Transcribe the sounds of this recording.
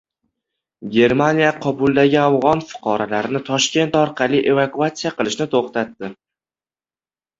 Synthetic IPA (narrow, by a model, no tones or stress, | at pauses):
ɡʲe̞ɾmanijaqʰɒbʊlˠd̪aɡʲɪavʁɒnfɨ̥qʰɒɾalaɾɪnɪt̪ʰɒʃkʲe̞nt̪ɒɾqʰɑlijʔe̞vakuat̪sijaqɨlˠɪʃnɪt̪ʰoχt̪at̪ːɪ